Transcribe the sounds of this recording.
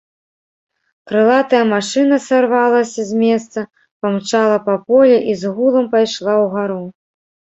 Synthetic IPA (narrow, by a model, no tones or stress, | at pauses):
kɾɨlˠat̪ɐjɐmaʂɨnɐsarvalˠɐsʲɐzʲmʲɛst̪sɐ | pamt͡ʂalˠɐpɐpɔlʲɛʔizɣulˠɐmpajʂlˠawɣaɾu